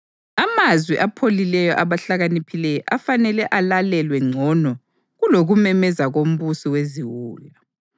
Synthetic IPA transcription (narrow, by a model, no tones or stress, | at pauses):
amazwiʔapʰolilɛjɔʔaβaɬaɣanipʰilɛjɔʔafanɛlɛʔalalɛlwɛŋ͡ǀʱɔnɔ | ɣuloɣumɛmɛzaɣom̩βusiweziwuːja